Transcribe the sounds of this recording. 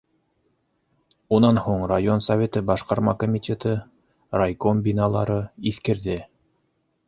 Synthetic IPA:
unɑnhuɴrajo̞nsɐvʲet̪ɤbɑʃqɑɾmɑkomʲit̪ʲet̪ɤ | rajkombʲinɑlˠɑɾɤiθkɘ̆ɾðɘ

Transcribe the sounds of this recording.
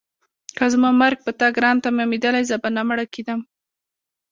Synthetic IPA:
kazmɑmaɾɡ̚pət̪aɡɾɑnt̪amamid̪əlajzəbanamɽaked̪am

